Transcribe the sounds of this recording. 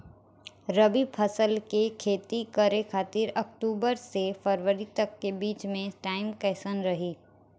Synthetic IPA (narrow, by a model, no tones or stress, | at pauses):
ɾəbipʰəsəlkekʰeːt̪ikəɾekʰaːt̪ɪɾɐk̚ʈuːbəɾsefəɾʋəɾit̪ɐkːebiːt͡ʃmẽʈaːɪmkɛːsənɾɐɦiː